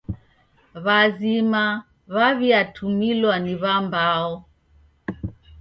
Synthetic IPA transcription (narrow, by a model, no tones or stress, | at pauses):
βazima | βaβiatʰumilwaniβambaɔ